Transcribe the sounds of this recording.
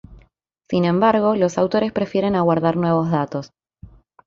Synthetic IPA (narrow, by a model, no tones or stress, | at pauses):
sinẽ̞mbaɾɣ̞o̞lo̞sawt̪o̞ɾe̞spɾe̞fjeɾe̞naɣwaɾðaɾnwe̞β̞o̞zðat̪o̞s